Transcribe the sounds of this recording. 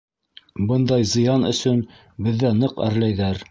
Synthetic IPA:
bɤnd̪ɑjzɤ̆jɑnɵ̰̆sɵn | bɘ̆ðːænɤqæ̰ɾlæjðæɾ

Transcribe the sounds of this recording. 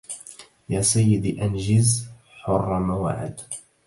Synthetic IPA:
jaːsajːɪd̪iʔand͡ʒɪz | ħʊrˤːɑmawa̰ʕɪ̰d̪

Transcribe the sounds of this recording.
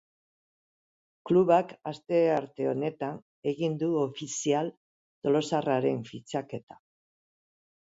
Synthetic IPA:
kluβakast̪e̞aɾt̪e̞o̞ne̞t̪an | e̞ɣind̪uo̞fisial | t̪o̞lo̞saraɾe̞ɱfit͡sake̞t̪ḁ

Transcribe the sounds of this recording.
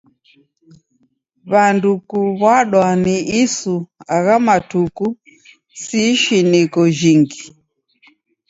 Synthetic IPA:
βandukuβwaɗwaniisuaɣamatuku | siʃinikɔd͡ʒiŋɡi

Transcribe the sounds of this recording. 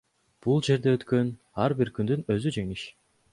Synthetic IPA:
b̥ulˠd͡ʒe̞ɾd̪eøt̪kø̞n | ɑɾbiɾkynd̪ynø̞zyd͡ʒe̞ŋiʃ

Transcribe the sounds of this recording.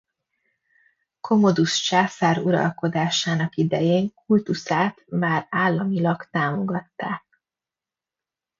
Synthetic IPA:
kʰo̞mo̞d̪uʃt͡ʃaːsaːɾuɾɒ̰lko̞d̪aːʃaːnɒkid̪ɛjeːŋkʰult̪usaːt̪maːraːlːɒmilɒɡt̪aːmo̞ɡɒt̪ːaːk̚

